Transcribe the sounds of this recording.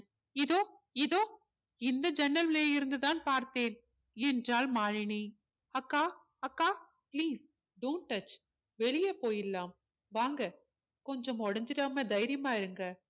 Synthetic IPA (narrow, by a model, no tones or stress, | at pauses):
ɪðoː | ɪðoː | ɪnd̪ɐd͡ʒɛnːɐlleːɪɾɯnd̪ɯðaːnpaːɾt̪eːn | ɛndraːlmaːɻɪɳi | ɐkːaː | ɐkːaː | pliːs | ɖɐːnʈɐt͡ʃː | ʋɛɭɪjɐpoːjɪlːaːm | ʋaːŋɡɐ | kɔɲd͡ʒɔmɔɽɐɲd͡ʒɪɾaːmed̪ɐjɾɪjɐmaːɪɾɯŋɡɐ